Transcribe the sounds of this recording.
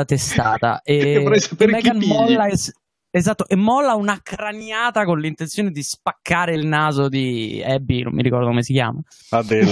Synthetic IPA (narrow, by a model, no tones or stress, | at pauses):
at̪est̪aːt̪a̰ʔeɛjsapmɛɡanmɔlːaɛs | ezat̪ːoʔemːɔlːaunakɾanjaːt̪akonlint̪ent̪sjoned̪ispakʰːaːɾeilnaːzod̪iɛbːino̰mːiɾikɔrd̪okomesikja̰ːma | ad̪e